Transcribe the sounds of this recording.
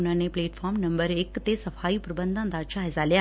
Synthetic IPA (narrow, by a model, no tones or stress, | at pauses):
nanepleːʈfʰɔɾmnəmbəɾekt̪esəfaipɾəbənd̪ʱãnd̪aɾt͡ʃaɦɛzalja